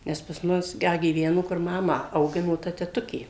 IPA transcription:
ˈnʲɛs pɐs ˈmʊs ˈdɐ ɡʲiːˈʋʲæːnʊ kʊr ˈmɑːmɑː ɐʊˈɡʲɪnoː tɐ tʲɛˈtʊkʲeː

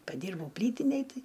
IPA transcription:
pɐˈdʲiːrbɐʊ ˈpʲlʲiːtʲɪnʲeːj ˈtɐɪ

